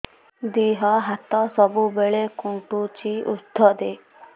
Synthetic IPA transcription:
d̪iːɦɔɦat̪ɔsɔbubeɭekuɳʈut͡ʃiṵd̪ʱɔd̪e

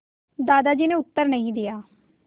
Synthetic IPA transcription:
d̪aːd̪aːd͡ʒiːneʊt̪ːəɾnəɦĩːd̪ɪjaː

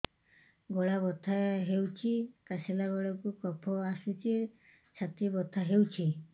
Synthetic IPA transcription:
ɡɔɽabɔt̪ʰaɦewt͡ʃʰikaselaɡɔɽakukɔpʰɔasut͡ʃʰi | t͡ʃʰat̪ibɔt̪ʰːaɦewt͡ʃʰi

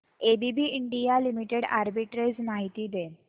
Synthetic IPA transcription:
ebibiːiɳɖijalimiʈeɽa̰ɾbiʈɾejzmaɦit̪iːd̪e

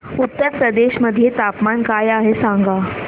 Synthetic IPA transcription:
ut̪ːəɾpɾəd̪eɕməd̪ʱːjet̪apmankajaɦesãŋɡa

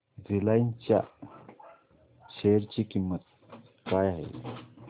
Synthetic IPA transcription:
zilajnt͡ɕja̰ | t͡ɕʰeɾt͡ɕikimːət̪̚ | kajaɦḛ

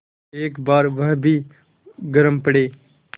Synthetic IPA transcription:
eːkbaːɾʋəɦbʱiː | ɡəɾəmpəɽeː

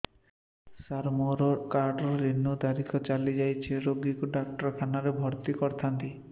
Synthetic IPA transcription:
saɾmɔɾɔkaɾɖɔɾinːud̪aɾikʰɔt͡ʃalid͡ʒajt͡ʃʰeɾoɡikuɖak̚ʈɔɾkʰanaɾebʱɔɾt̪ikɔɾt̪ʰant̪i

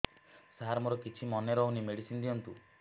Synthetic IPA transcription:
saɦaɾmɔɾɔkit͡ʃʰimɔneɾɔunimeɽisind̪iɔnt̪u

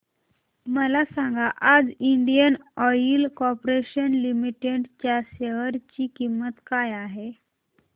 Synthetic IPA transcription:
məlasaŋɡaʔad͡ziɳɖijənɔilkɔpɾeɕənlimiʈeɽt͡ɕjaɕeɦəɾt͡ɕiːkimːət̪kajaɦe

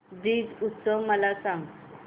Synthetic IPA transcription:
diːd͡zut̪səməlasãŋ

